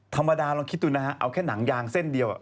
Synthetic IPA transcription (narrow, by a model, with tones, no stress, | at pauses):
t̪ʰa˧mːa˧daː˧lɔː˧ŋkʰi˦˥t̪̚duː˧na˦˥ka˦˥ʔa̰˧wkʰɛː˥˩na˩˦ŋjaː˧ŋse˥˩ndi˧əwa̰˨˩